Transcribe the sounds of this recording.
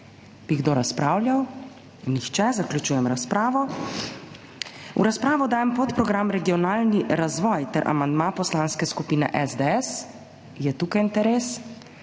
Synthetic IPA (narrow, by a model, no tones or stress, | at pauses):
b̥iɡd̪oːɾaspɾaːwljaw | nːixt͡ʃɛzaklʲut͡ʃuːjɛmɾaspɾaːʋɔ | ṵɾaspɾaːʋɔd̪aːjɛmpɔt̪pɾɔɡɾamɾɛɡijɔnaːlniɾazʋɔːjt̪ɛɾʔa̰mand̪mapɔslaːnskɛskupiːnɛ̰ʔɛzd̪eɛs | jɛt̪uːkajint̪ɛɾeːs